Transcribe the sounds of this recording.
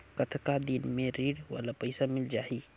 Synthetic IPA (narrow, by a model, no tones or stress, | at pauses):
kɐt̪ʰkad̪inmẽɾiːɽʋa̰ːlapɐɪsamɪld͡ʒaːiː